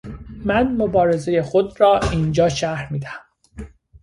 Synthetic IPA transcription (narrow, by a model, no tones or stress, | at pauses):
mænmobɒːɾe̞ze̞je̞xod̪ɾɒːind͡ʒɒːʃæɾmiːd̪æhæm